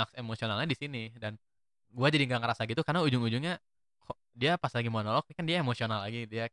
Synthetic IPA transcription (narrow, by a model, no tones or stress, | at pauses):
aksemosionalɲadisinidan | ɡuad͡ʒadiŋɡaŋəɾasaɡit̪ukarnaud͡ʒʊŋud͡ʒʊŋɲa | kʰɔ | diapaslaɡimoanolɔk̚kandiaemosionalːaɡidia